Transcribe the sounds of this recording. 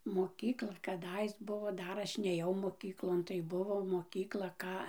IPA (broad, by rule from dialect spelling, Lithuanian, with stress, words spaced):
moːˈkʲiːklˠɐ kɐˈdɐɪs ˈbʊʋoː ˈdɐr ˈɐʃ nʲeːˈjɛʊ moːˈkʲiːklˠoːn tɐɪ ˈbʊʋoː moːˈkʲiːklˠɐ ˈkɑː